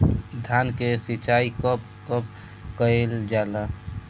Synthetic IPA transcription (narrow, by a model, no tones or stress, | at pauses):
d̪ʱankesit͡ʃaikəp̚ | kəp̚ | kəeld͡ʒala